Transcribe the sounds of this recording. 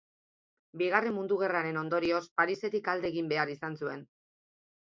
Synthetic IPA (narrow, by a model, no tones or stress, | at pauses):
biɣare̞mund̪uɣ̞e̞raɾe̞no̞nd̪o̞ɾio̞spaɾise̞t̪ikald̪e̞ːɣimbe̞aɾisansue̞n